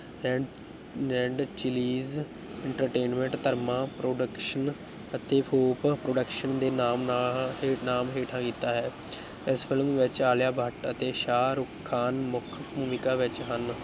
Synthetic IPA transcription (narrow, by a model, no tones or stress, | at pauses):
ɾɛ | ɾɛ̃ɳɖt͡ʃɪliːz | ɪ̃ɳʈəɾʈeːnmɛ̃ɳʈt̪əɾmãːpɾoːɖəkʃən | ət̪eːpʰoːppɾoːɖəkʃənd̪eːnaːmnː | naːmɦeːʈʰãːkiːt̪ːaːɦɛː | ɪspʰɪlmʋɪt͡ʃaːljaːbʱəʈət̪eːʃaːɾʊkʰːaːnmʊkʰbuːmikaːʋɪt͡ʃɦən